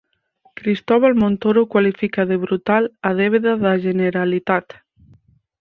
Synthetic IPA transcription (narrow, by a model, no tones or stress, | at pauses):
kɾist̪ɔβalmõnt̪oɾokwalifikaðeβɾut̪alað̞eβ̞eðaðaʒeneɾalit̪at̪